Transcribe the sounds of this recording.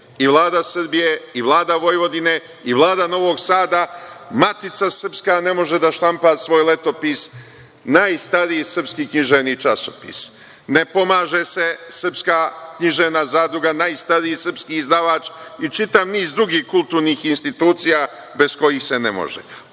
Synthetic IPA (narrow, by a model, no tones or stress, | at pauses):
iʋlˠaːd̪asrbije̞iʋlˠaːd̪aʋo̞jʋo̞d̪ine̞ | iʋlˠaːd̪ano̞ʋo̞ɡsaːd̪amat̪it̪sasr̩pskane̞mo̞ʒed̪aʃlampasʋo̞ːjle̞t̪o̞pis | naːjst̪aɾiisr̩pskikɲiʒeʋnit͡ʃasopḭs | ne̞po̞maːʒese̞sr̩pskaːkɲiʒeʋnazaːd̪ɾuɡanaːjst̪aɾiisr̩pskiːzd̪aʋaːt͡ʃit͡ʃit̪aʋniːzd̪ɾuɡiːhkult̪uːɾniːxinst̪it̪uːt̪sijaː | be̞sko̞jixse̞nemo̰ʒḛ